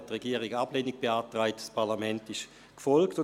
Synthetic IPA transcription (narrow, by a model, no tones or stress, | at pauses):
tːʁɛɡiːəʁɪɡab̥leniɡ̚b̥eaːtʁaɪtspʰaɐʁlamɛntɪʃ | kfɔlktʊ